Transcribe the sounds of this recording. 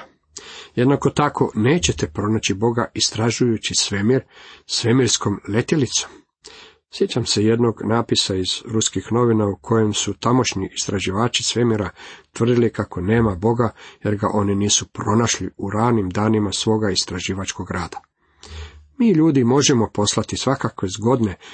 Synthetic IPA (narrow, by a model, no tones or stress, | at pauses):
je̞d̪nako̞t̪akʰo̞̰ne̞ːt͡ɕet̪e̞pɾo̞nat͡ɕibo̞ɡaʔist̪ɾaʒujut͡ɕisʋe̞miɾsʋe̞miɾsko̞mle̞t̪elit̪so̥m | sje̞t͡ɕamse̞je̞d̪no̞ɡnaːpisaiz̥ɾuskixno̞ʋinaukʰo̞je̞msut̪amo̞ʃɲiʔist̪ɾaʒiʋaːt͡ʃi̥sʋe̞miɾat̪ʋr̩d̪ilikako̞ne̞ːmabo̞ɡaje̞ɾɡaʔo̞niniːsupɾo̞naʃliuɾaːnimd̪aːnimasʋo̞ːɡaist̪ɾaʒiːʋat͡ʃko̞ɡɾaːd̪ḁ | miːʎuːd̪imo̞ʒemo̞po̞slˠat̪isʋakakʋe̞zɡo̞d̪ne̞